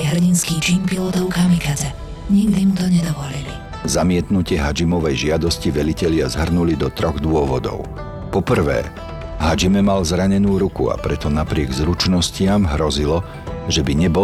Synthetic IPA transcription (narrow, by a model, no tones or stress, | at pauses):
ɦr̩ɟinskiːt͡ʃiːnpilɔt̪ɔʊkamikaɛ | ɲiɡd̪imut̪ɔɲɛd̪ɔʋɔlili | zamɪɛt̪nucɪɛɦad͡ʒimɔʋɛjʒɪad̪ɔsciʋɛlicɛʎɪazɦr̩nulid̪ɔt̪ɾɔɣd̪ʊɔʋɔd̪ɔ̰ʊ | pɔpr̩ʋɛ̰ː | ɦad͡ʒimɛmalzɾaɲɛnuːɾukṵa̰pɾɛt̪ɔnapɾɪɛɡzɾut͡ʃnɔscɪamɦɾɔzilɔ | ʒɛbiɲɛbɔ